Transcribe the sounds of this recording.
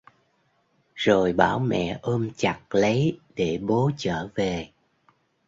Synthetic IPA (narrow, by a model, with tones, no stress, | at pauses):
zo˨˩jɓaː˧˩wmɛ̰˧˨ʔəː˧mt͡ɕa˨˩k̚lə˨˦jɗe˧˩ɓo˨˦t͡ɕəː˧˩ve˨˩